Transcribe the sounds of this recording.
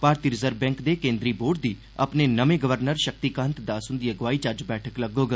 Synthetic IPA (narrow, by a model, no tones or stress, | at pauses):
paːɾt̪iːɾɪzəɾbɛ̃ːŋkd̪eːkẽːnd̪ɾiːboːɖ̚d̪iː | ə̰pneːnəʋẽːɡəʋəɾnəɾʃək̚t̪iːkə̃nt̪d̪aːsʊ̃nd̪ijəɡʋaːiːt͡ʃəɾd͡ʒbɛːʈʰəkləɡoːɡə